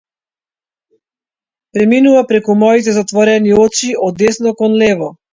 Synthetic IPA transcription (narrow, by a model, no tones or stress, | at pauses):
pɾɛminuvapɾɛkumɔit̪ɛzat̪vɔɾɛniɔt͡ʃiɔd̪ːɛsnɔkɔnlɛvɔ